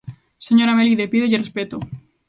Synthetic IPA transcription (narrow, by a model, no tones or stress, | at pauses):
seɲo̞ɾameliðepiðojerespet̪o